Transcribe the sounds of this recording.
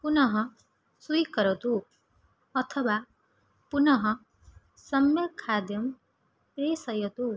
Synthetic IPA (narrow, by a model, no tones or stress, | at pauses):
punʌɦʌ | sujkʌɾɔd̪u | ʌt̪ʰʌba | punʌɦɔ | sʌmjʌkʰad̪jɔm | pɾesʌjɔd̪u